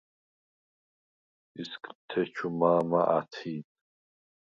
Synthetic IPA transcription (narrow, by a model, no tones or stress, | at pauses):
iskʼt̪ʰɛt͡ʃʰumaːma̰ʔat̪ʰiːn